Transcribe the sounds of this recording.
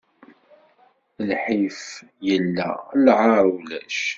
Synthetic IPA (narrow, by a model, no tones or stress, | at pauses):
lħif | jəlːæ̰lʕaɾˤlæʃ